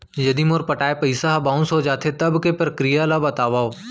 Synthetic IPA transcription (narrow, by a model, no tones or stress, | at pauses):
jɐd̪imoɾpɐʈaːepɐɪsaɦbãːʊ̃nsɦod͡ʒaːt̪ʰet̪ɐbkepɾɐkɾijalabɐt̪aːʋaːo